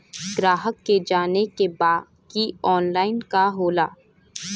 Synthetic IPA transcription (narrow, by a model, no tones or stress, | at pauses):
ɡɾaːɦəkːed͡ʒaːnekebaː | kiɔːnlaːɪnkaɦoːlaː